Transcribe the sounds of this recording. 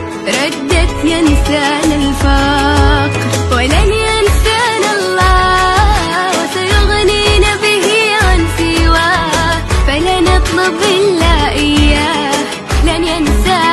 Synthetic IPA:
ɾˤɑd̪ːat̪jansaːnalfɑqɾwɪlanjansanalˤːɑː | wasajʊɣniːnabɪhiʕansɪwaː | falanɑt̪ˤlʊbʔɪlːaːʔɪjːaː | h | lanjansa

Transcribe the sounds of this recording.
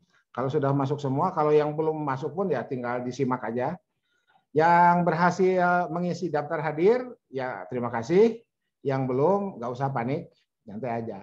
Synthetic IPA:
kalowsudahmas̬ʊksəmuakalowjaŋbəlʊmːasʊk̚pʊnjat̪iŋɡaldisimakad͡ʒa | jaŋbərɦasɪlməŋisidaf̚t̪arɦadɪr | jat̪əɾimakasɪh | jaŋbəlʊmɡaʔusaɦap̬anɪk̚ | ɲant̪ajad͡ʒa

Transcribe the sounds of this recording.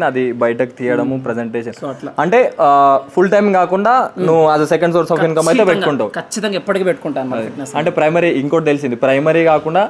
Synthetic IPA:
nɐd̪ibɐjʈ̬ɐk̚t̪iːjɐɽɐmupɾed͡ʒeɳʈeːʂɐnlɐɳʈe̞ːpʰulʈɐjmkaːkuɳɖaːnuʋuɐzɐsekɐɳɖsoːʈsafɦimkɐmɐjt̪epeukuɳʈawukɐt͡ʃːit̪ɐŋɡaɐipːɐʈikeːpeʈːukuɳʈaːnuɐd̪ɐɐsɐɳʈe̞ːpɾɐjmɐɾiiŋkoɽt̪elis̬ind̪ipɾɐjmɐɾiːkaːkuɳɖaː

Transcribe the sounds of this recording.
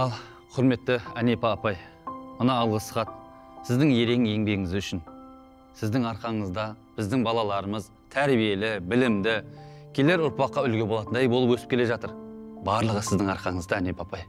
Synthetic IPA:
ɑlˠ | qʰʊɾme̞t̪ːɪæne̞pɑpɑjmʊnɑːlˠʁəsə̥χɑt̪̚ | sɪzd̪ɪŋje̞ɾe̞ŋje̞ŋbe̞ɡɪŋɪzʏʃɪn | sɪzd̪ɪŋɑɾqɑɴəzd̪ɑ | b̥ɪzd̪ɪŋbɑlˠɑlˠɑɾəməz | t̪ʰæɾbije̞lɪbɪlɪmd̪ɪkʲʰele̞ɾʊɾpɑqːɑʏlɡʲe̞bolˠɑt̪ənd̪ɑjbolˠəpwɵsɪ̥pkʲʰe̞le̞ʒɑt̪əɾbɑɾlˠəʁəsɪzd̪ɪŋɑɾqɑɴəzd̪ɑæne̞pɑpɑj

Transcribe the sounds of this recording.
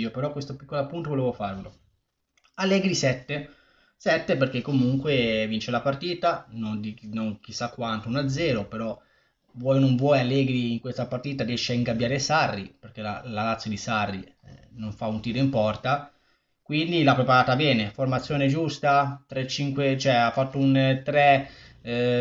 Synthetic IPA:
opeɾɔkwest̪opi̥kːolapunt̪ovolɛːvofarvelo | alːɛːɡɾisɛt̪ːe | sɛt̪ːeperk̟ekːomuŋkwevint͡ʃelapart̪iːt̪anond̪inoŋk̟isːakːwant̪ounad̪zːɛːɾopeɾɔ | vwɔjnoɱvwɔjalːɛːɡɾiːŋkwest̪apaɾt̪iːt̪adiɛʃːeaiŋɡabːjaːɾesarːiperk̟ela̰lalat̪sjod̪isarːi | noɱfaunt̪iːɾoimpɔrt̪a | kwind̪ilapːɾepaɾaːt̪abɛːneformat̪sːjoːned͡ʒust̪at̪ɾet͡ʃːiŋkwet͡ʃoɛafːat̪ːount̪ɾɛ

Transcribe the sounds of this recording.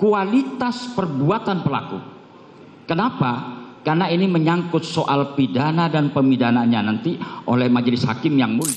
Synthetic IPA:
kualit̪aspərbuat̪anpəla̰kṵ | kənapakarnainiməɲaŋkʊt̪̚soʔalpidanadanpəmidanaɲanant̪iʔolɛhmad͡ʒlɪsha̰kɪmjaŋmul

